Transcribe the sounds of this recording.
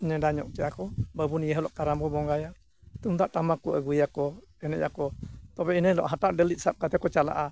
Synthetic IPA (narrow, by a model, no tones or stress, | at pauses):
ɲɛdaɲɔ̰ʔ̚t͡ʃɛʔakɔbəbunijɛɦəlɔʔkaɾambɔbɔŋɡaja | t̪umd̪aʔtamakuʔəɡujakɔ | ɛnɛcakɔt̪ɔbɛinəjlɔ̰ʔɦataʔɖɛlit̪̚sap̚kat̪ɛkɔt͡ʃala̰ʔa